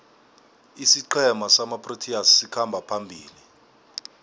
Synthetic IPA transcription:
isiǃʰɛmasamapʰʼrotʰiassikʰambʱapʰambʱiːli

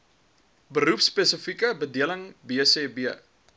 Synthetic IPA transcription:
bəɾupspesəfikəbədiələŋbiəseːbiə

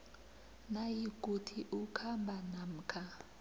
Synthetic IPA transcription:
najikʼutʰiʔukʰambʱanam̩kʰa

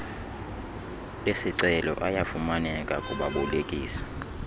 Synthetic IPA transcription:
lesiǀɛlɔ̰ʔajafumanɛkʼakʼuɓa̰ɓɔlekʼiːsḁ

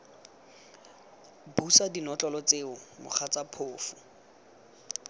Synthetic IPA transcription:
busadinɔt͡ɬʼɔlɔt͡seʊmʊ̰χʰat͡sapʰoːfʊ̥

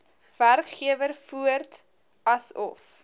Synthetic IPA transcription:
v̥ærkχiəvərfuərt | ɐsɔ̰f

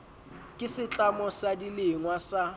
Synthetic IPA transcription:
kʼɪsɪt͡ɬʼamɔsadilɪŋwasa

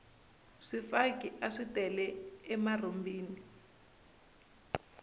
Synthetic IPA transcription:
ʂifakiʔaʂitɛlɛːmarombiːni

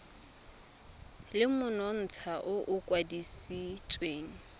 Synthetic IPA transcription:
lɪmʊnɔn̩t͡sʰaʔʊʔʊkʼwadisit͡sʼweːŋ̩

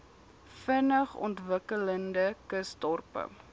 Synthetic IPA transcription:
fənəχɔ̰ntvəkələndəkəstɔrpə̰

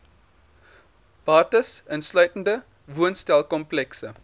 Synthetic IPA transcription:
b̥ɑːtəsənslœɥtəndə | vuənstælˠkɔmplɛksə

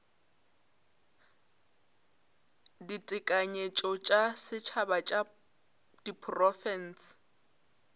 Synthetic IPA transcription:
ditʼɪkʼaɲet͡ʃʼɔt͡ʃʼasɪt͡ʃʰabat͡ʃʼa | d̥ipʰʼrɔfɛns

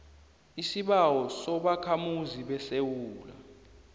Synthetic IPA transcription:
isiɓawɔsɔɓakʰamuziɓɛsewuːla̰

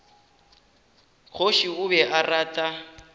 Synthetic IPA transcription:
k͡xʰoʃiʊbɛʔaraːtʼa

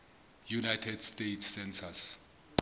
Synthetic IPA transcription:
junajtʰɛd̥stejtʰssɛnsʰas

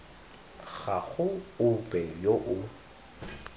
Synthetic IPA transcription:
ɣaɣʊʊpʼɛjoʔʊ

